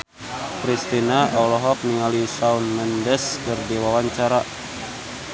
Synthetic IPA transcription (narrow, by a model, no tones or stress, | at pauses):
kɾist̪inaaulɔɦɔk̚niŋalisaunmɛndɛskərdiwawaɲt͡ʃaɾa